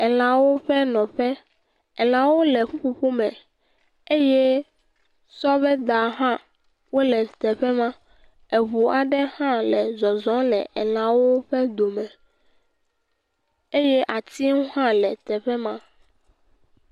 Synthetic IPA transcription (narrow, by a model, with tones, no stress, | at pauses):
ɛ˨l̃ã˨wo˦ɸɛ˦nɔ̃˨ɸɛ˦ | ɛ˨l̃ã˨wo˦lɛ˨ɸu˦ɸu˦ɸu˦mɛ̃˨ | e˦jɛ˦ | sɔ˦βɛ˦d̪a˨ɦã˦ | wo˦lɛ˨t̪ɛ˨ɸɛ˦mã˦ | e˨βu˨a˨ɖɛ˦hã˦lɛ˨zɔ˨zɔ̃˦lɛ̰˨ʔɛ˨l̃ã˨wo˦ɸɛ˦d̪o˨mɛ̃˨ | e˦jɛ˦ʔa˨t̪i˦wo˦ɦã˦lɛ˨t̪ɛ˨ɸɛ˦mã˦